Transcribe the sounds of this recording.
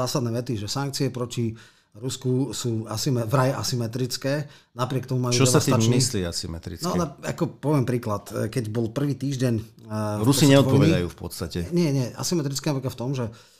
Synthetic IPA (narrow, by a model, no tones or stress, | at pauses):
aːsad̪nɛːʋɛt̪iʒɛsaŋk̚t͡siɛpɾɔci | ɾuskusuːasimɛvɾajɛʔasimɛt̪ɾit͡skɛː | napɾɪɛk̚t̪ɔmumajut͡ʃɔɛsasiamisliasimɛ̰t̪ɾḭt͡snɔnaa̰kɔpɔʋɪɛmpɾiːklat̪kɛɟbɔlpr̩ʋiːt̪iːʒɟɛɲɾusiɲɛɔt̪ɔpɔʋɛd̪ajṵːfpɔ̰t̪st̪acɛɲɪɛɲɪɛa̰simɛt̪ɾit͡skɛnaʋɛkaft̪ɔmʒɛ